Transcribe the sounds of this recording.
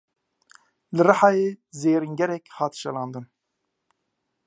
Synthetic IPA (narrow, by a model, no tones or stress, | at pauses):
lɨrɨħɑːjeːzeːɾiŋɡɛɾɛkhɑːt̪ʃɛlɑːnd̪ɨn